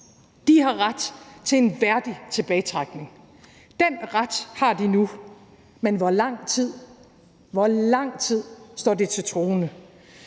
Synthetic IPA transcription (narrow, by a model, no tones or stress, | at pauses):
d̥iɦɑ̈ʁɑd̥t͡sʰe̝enʋæɐd̥it͡sʰe̝b̥ɛːɪt͡sʰʁɑɡ̥ne̝ŋ | d̥en̰ʁɑd̥hɑ̈d̥inu | menʋɒlɑ̈ŋ̰t͡sʰið̰ˠ | ʋɒlɑ̈ŋ̰t͡sʰið̞̰ˠsd̥ɒ̰ːd̥it͡sʰe̝t͡sʰʁo̝ːnə